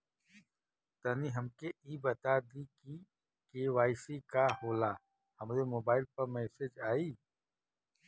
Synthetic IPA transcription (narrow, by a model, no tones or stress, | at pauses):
t̪əniɦɐmkeiːbɐt̪ad̪iki | keʋaːɪsikahoːlaː | hɐmɾemoːbaːɪlpɐɾmɛːsed͡ʒaːiː